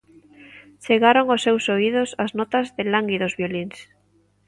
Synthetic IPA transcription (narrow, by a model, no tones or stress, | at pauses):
t͡ʃeɣaɾoŋosːewsoiðʊsaznɔt̪ɐzðɪlaŋɡiðozβjoliŋs